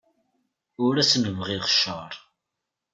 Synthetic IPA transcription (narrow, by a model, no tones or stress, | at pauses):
ʊɾæsnəvʁiʁʃəɾˤ